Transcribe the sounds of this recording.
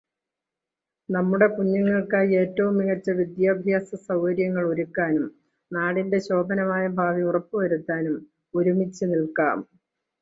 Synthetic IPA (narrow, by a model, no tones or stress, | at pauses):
nɐmːuɽe̞kuɲːɐŋːɐɭkaːjie̞ːtːɐʋumːiɣɐt͡ɕːɐʋid̪jaːbʱjaːsɐsɐwkɐɾjɐŋːɐɭoɾukːaːnum | naːɽinde̞ɕo̞ːb̪ʱɐnɐmaːjɐbʱaːʋiurɐpːuʋɐɾut̪ːaːnum | oɾumit͡ɕːɨnilka̰ːm